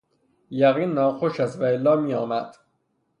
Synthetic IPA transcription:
jæɣiːnːɒːxoʃæst̪væelːɒːmiːɒːmæd̪̥

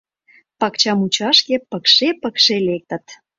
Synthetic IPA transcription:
pɑkt͡ɕɑmut͡ɕɑʃkepəkʃepəkʃelek̚t̪ə̆t̪

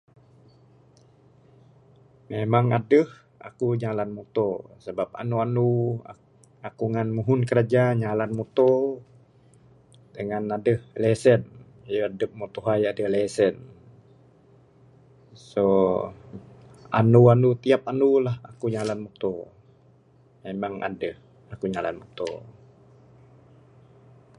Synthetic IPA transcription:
memaŋadəh | a̰kuɲalanmut̪osəbap̚a̰nuanu | akuŋanmuɦʊnkəɾad͡ʒaɲalanmut̪o | dəŋanadəhlesən | jəadəp̚mut̪oɦajadəlesɛn | so | a̰nuanut̪iap̚anulaha̰kuɲalanmut̪o | memaŋʔa̰dəh | akuɲalanmut̪o̰

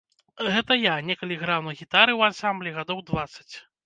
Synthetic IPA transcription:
ɣɛt̪ɐjanʲɛkɐlʲiɣɾawnɐɣʲit̪aɾɨwansamblʲiɣad̪ɔwd̪vat̪sɐ̥t͡sʲ

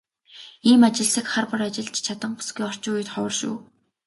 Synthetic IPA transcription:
iːmat͡ɕɪ̆ɮsɘ̆kχarpʊ̆rat͡ɕɪ̆ɮt͡ɕt͡ɕʰat̪ə̆ɴpʊ̥sɡiːɔr̥t͡ɕʊːujʊ̆t̪χɔw̆rʃṵː

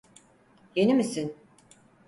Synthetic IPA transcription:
jenimisin

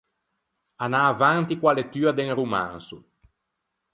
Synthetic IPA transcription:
anaːvant̪ikwalet̪ːyːad̪eŋruma̰nsu

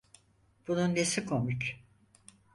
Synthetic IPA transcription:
b̥ununːesikʰomut͡ʃ

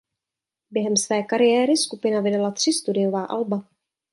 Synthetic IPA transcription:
bjɛɦɛmsvɛːkaɾɪjɛːɾɪskupɪnavɪdalat̪r̥ɪst̪udɪjovaːʔa̰lba

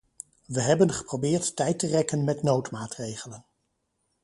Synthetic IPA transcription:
ʋəɦɛbənχə̥prowbɪːɹtːɛjtərɛkənmɛtnowtmaːtrejχələn

